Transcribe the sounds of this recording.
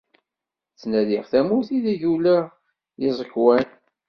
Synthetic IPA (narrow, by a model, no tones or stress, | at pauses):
t͡sːnæðiʁθæmʊθiðiʝulæ | jɪzˤəkːwæn